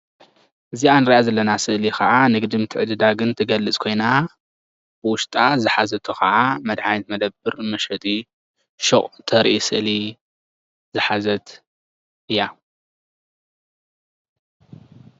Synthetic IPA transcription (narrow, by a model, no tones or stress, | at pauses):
ʔɨzianɨɾiʔazɐlːɐnasɨʔlikʰɐʕanɨɡɨd̪ɨmt̪ʰɨʕɨd̪ɨd̪aɡɨnt̪ʰɨɡɐlːɨt͡sʼkʰo̞jna | b̥ɨwʊʃt̪ʼazɨħazɐt̪ʰuxɐʕamɐd̪ʕajt̪mɐd̪ɐbːɨɾmɐʃɐt̪ʼi | ʃoχʼt̪ʰɐɾʔisɨ̰ʔli | zɨħazɐt̪ | ɨjːa